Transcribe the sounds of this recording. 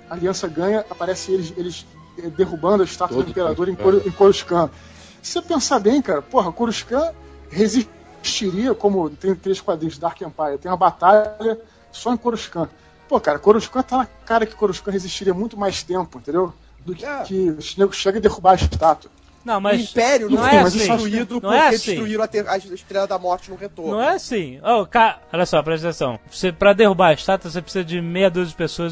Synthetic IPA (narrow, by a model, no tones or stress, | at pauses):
ɐaliɐ̃sɐɡɐ̃ɲɐʔapaɾɛsẽj̃elɪzelɪz | ɛd̪eɦubɐ̃nd̪ʊɐɪʃt̪at̪uɐẽmpeɾad̪oɾẽj̃koɾẽj̃koɾuʃkɐ̃ | sepẽsabẽj̃kaɾɐpoɦɐkoɾuʃkɐ̃ | hezi | ʃt͡ʃiɾiɐkõmʊt̪ẽj̃t̪ɾeʃkwad̪ɾĩɲʊzd̪aɾkẽmpajɐt̪ẽj̃ũmɐbat̪aʎɐ | sɔẽj̃koɾuʃkɐ̃ | pokaɾɐkoɾuʃkɐ̃t̪anɐkaɾɐkɪ̥koɾuʃkɐ̃ɦeziʃt͡ʃiɾiɐmũj̃t̪ʊmajst̪ẽmpʊĩt̪ẽd̪ew | d̪ʊkɪɛkɪʃneɡʊʃeɡɐd̪ehubaɪʃt̪at̪ʊ̥ | nɐ̃w̃mɐzĩpɛɾjʊnɐ̃w̃ɛamɐzsĩɾuid̪ʊɐ̃w̃ɛaesiʃɾuiɾɐ̃ɐt̪eɐʃt̪ɾelɐd̪ɐmɔɾt͡ʃɪnʊ̃het̪oɾnɐ̃w̃ɛasĩokaɾɐɔʎɐsɔpɾɐʃt̪esɐ̃w̃sepɾɐd̪ehubaɪʃt̪at̪ʊs̬epɾɪ̥sizɐd͡ʒɪmejɐd̪uzɪd͡ʒɪpesoɐ